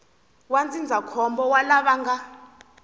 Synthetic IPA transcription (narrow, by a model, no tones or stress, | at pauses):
wand͡zʼind͡zʱakʰɔmbɔwalaɓaŋɡa